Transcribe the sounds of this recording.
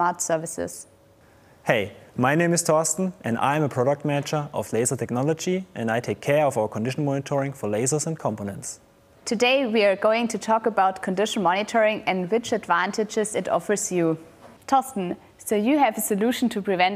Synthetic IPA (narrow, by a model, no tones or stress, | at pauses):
ɑɹtsɜ˞vɨsɪ̰z̥ | heɪmaɪnẽɪ̃mɨstʰɔstn̩ʔɨ̰̃nã̰ɪ̃məpʰɹ̥ɔɾək̚t̚mɛnɪt͡ʃə˞ʔɔ̰fleɪzə˞tʰɛk̚nɔləd͡ʒiʔɨ̰̃ndaɪtʰeɪkʰːɛɹʌvaʊə˞kʰɔ̃ndɪʃn̩mɔnɪtʰɔɹɪ̃ŋfɔ˞leɪzə˞zə̃nkʰɑ̃mponɛ̃nts | tʰɨdeɪwiə˞ɡoʊɪ̃ŋtʰɨtʰɔkəbaʊtkʰə̃ndɪʃn̩mɔnɪtʰɔɹɪ̃ŋɨ̃ndwɪt͡ʃɨdvæ̃ntɨd͡ʒɪzɨtɔ̰fə˞zju | tʰɔstn̩ | soʊjɨɨvəsɨluʃn̩tʰɨpʰɹ̥ivɛ̃n